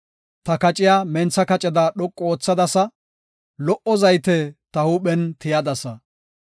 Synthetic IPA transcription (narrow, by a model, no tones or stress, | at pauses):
t̪ɐkɐt͡ʃʼɪjaːmɛnt͡sːɐkɐt͡ʃʼɛd̪aɗɔkʼːoːt͡sːɐd̪ɐsɐ | lɔʔɔzɐjt̪ɛt̪ɐhuːɓɛnt̪ɪjɐd̪ɐsɐ